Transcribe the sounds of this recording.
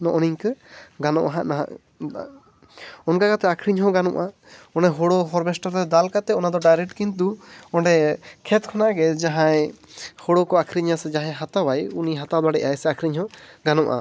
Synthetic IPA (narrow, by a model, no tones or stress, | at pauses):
nɔʔɔniɲkəɡanɔ̰ʔɦaʔnaa̰ | ɔnɡaɡat̪ɛakʰɾiɲɦɔ̃ɡanɔ̰ʔa | ɔnɖɛɦɔɽɔɦɔɾbɛsʈɔɾɛd̪alkat̪ɛɔnad̪ɔɖajɾɛk̚ʈkint̪uɔɳɖɛkʰɛt̪̚kʰɔnaɡɛd͡ʒaɦãjhɔɽɔkɔakʰɾiɲasɛd͡ʒaɦɛ̃ɦat̪awajuniɦat̪ad̪aɽɛʔajsɛakʰɾiɲhɔ̃ɡanɔʔa̰